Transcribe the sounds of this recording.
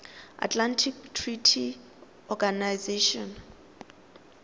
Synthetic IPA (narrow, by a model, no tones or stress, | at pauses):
a̰tʰʼlantʰiktʰritʰi | ɔɡanajzeʃɔn